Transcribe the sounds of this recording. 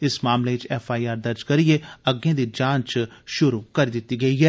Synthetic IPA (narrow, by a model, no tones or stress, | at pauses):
ɪsmaːmleːɪt͡ʃɛːfʰaːiːaːɾd̪əɾd͡ʒkəɾieːəɡẽãːd̪iːd͡ʒãːt͡ʃʃʊɾuːkəɾiːd̪ɪt̪ːiːɡəiːɦɛː